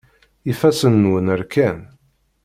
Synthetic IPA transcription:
ifæsənːwənəɾkæn

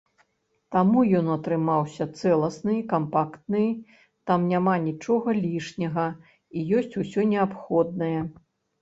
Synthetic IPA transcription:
t̪amujɔnɐt̪ɾɨmawsʲɐt̪sɛlˠɐsnɨkampakt̪̚nɨj | t̪amnʲamanʲit͡ʂɔɣɐlʲiʂnʲɐɣɐ | ijɔsʲt͡sʲusʲɔnʲɛapxɔd̪̚nɐjɐ

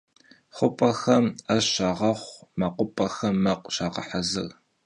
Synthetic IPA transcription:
χʷʊpʼɐxɐmɐɕaːʁɐχʷmɐqʷʊpʼɐxɐmːɐqʷɕaːʁɐ̰ħɐzɨɣ

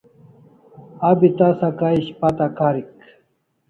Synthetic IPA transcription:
abit̪asakaiɕpat̪akaɾik

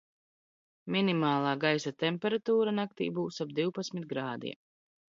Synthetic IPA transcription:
minimaːlˠɑːɡajsat̪ɛmpɛɾat̪uːɾanak̚t̪ḭːbuːsab̚d̪iwpat̪sʲmit̪̚ɡɾaːd̪ḭɛ

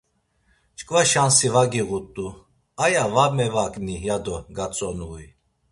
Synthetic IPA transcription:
t͡ʃʼkʼvaʃansivaɡiɣut̪ʼu | ajavamɛvakʼnijad̪ɔɡat͡sʼɔnui

